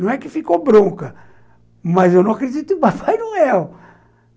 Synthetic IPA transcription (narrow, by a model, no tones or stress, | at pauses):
ɐ̃w̃ɛkɪfikobɾõkɐ | mɐzewnɐ̃akɾed͡ʒit̪ʊɪ̃papajnɐ̃w̃ɛ